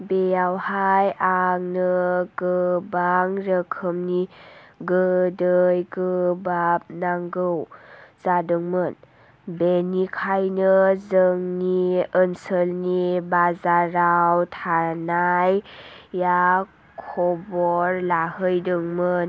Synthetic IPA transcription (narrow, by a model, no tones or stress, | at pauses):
bejawhajaŋnɯɡɯbaŋɾəkʰəmniɡədəjɡəbap̚naŋɡɯwzadɯŋmɯn | benikʰajnəzəŋniənsəlnibazaɾawtʰanajː | a | kʰɔbɔɾlahɯjdɯŋmən